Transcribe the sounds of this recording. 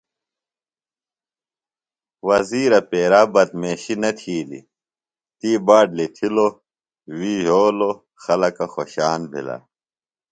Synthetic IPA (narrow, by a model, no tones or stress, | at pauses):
wɐziːɾɐpeːɾaːbɐt̪̚meːɕinɐt̪ʰiːlḭ | t̪iːbaːɖlit̪ʰilo | wiːɦoːlo | xɐlɐkɐxoɕaːnbʱḭla̰